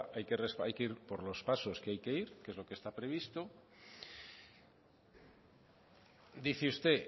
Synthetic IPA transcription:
ʔajke̞resa̰jkeiɾpo̞ɾlo̞spaso̞skeajke̞iɾkezlo̞kest̪apɾe̞β̞ist̪o̞ | d̪iθeust̪e̞

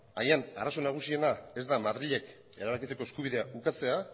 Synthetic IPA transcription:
a̰jana̰ɾaso̞naɣ̞usie̞nae̞zd̪amaðɾiʎe̞k | e̞ɾaβakit͡se̞ko̞eskuβ̞iðe̞aukat͡se̞a

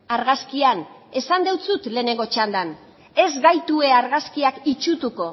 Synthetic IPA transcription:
aɾɣaskian | e̞sand̪e̞wt͡sut̪le̞ːne̞ŋɡo̞t͡ʃand̪an | e̞zɡajt̪ue̞aɾɣaskiakit͡ʃut̪uko̞

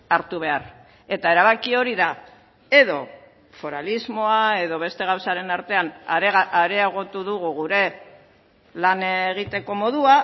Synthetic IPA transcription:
aɾt̪uβ̞e̞aɾ | e̞t̪ae̞ɾaβ̞akio̞ɾiða | e̞ðo̞ | fo̞ɾalizmo̞ae̞ðo̞β̞e̞st̪e̞ɣ̞awsaɾe̞naɾt̪e̞anaɾe̞eɣ̞o̞t̪uðuɣuɣ̞uɾe̞ | laneɣ̞it̪e̞ko̞mo̞ðua

